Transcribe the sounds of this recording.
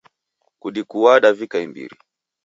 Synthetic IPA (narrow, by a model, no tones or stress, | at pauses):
kuɗikuwaɗavikaimbḭɾḭ